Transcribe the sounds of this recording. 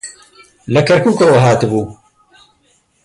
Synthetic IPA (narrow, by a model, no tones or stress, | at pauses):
lɐkɐɾkuːkooɦaːt̪ɨbuː